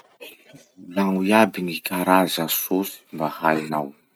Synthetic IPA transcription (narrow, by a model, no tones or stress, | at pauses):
laŋuiabinikaɾazəsosi̥mbahajnaw